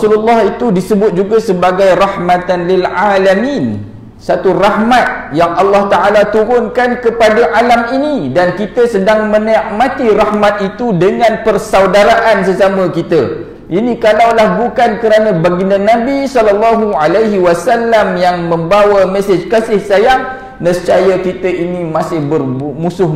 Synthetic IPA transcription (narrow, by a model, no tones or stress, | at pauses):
sululːɑhit̪udisəbʊt̪̚d͡ʒuɡasəbaɡajrɑhmãt̪anlɪlʕalamĩn | sat̪urahmat̪̚jaŋɑlːɑht̪aʔalat̪uɾʊnkankəpadaʔalaminidankit̪əsədaŋmə̃niʔmãt̪irahmat̪̚it̪udəŋãnpərsawdaɾaʔansəsamə̃kit̪ə | ʔinĩkalawlahbukankəɾanə̃baɡinãnãbisɔlalːaɦualajɦiwasalːamjaŋmə̃mbawamɛsəd͡ʒkasɪhsajaŋ | nəst͡ʃajəkit̪əʔinimasɪhbərmusʊh